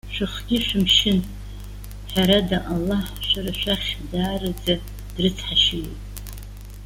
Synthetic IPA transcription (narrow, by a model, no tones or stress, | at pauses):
ʃʷᶣɨχɡʲɪʃʷᶣɨmʃɪn | ħʷaɾadaʔalːaħʃʷᶣaɾaʃʷaχʲdaːrad͡za | d̥rɨt͡sʰħaʃɪjo̰tʼ